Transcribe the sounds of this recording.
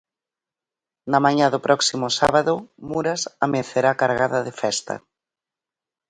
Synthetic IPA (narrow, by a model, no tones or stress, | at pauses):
namaɲaðʊpɾʔɔksimʊsaβaðʊmuɾasameθeɾakaɾɣaðɐðefɛst̪ɐ̰